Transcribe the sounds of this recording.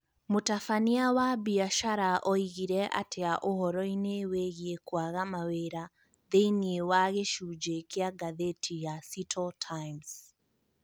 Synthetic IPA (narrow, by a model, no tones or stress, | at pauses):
motafaniawabiaʃaɾaʔɔiɣiɾɛʔa̰tʰeaʔohɔɾɔineweɣiekwaɣamaweɾa | ðeiniewaɣeʃud͡ʒekeaɡaðetʰijasitʰɔltʰajms